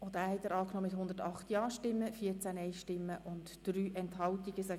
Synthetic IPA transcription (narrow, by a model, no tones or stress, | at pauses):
odæːhɛt̪ːəɾɑːknɔmɪthʊnd̪əɾtɑχtjɑːʃtɪmːəfiːəɾt͡sænɛɪʃtɪmːəʔʊntd̥ɾyːʔɛnthɑltiɡ̥əsɛ